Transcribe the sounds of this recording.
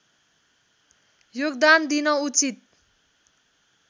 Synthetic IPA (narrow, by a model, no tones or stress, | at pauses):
joɡd̪and̪inʌut͡sit̪̚